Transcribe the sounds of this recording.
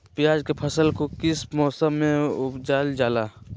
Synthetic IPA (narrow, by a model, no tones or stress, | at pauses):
pɪjaːd͡ʒkepʰəsəlkokɪsmɔːsəmːẽʊpd͡ʒaːld͡ʒaːlaː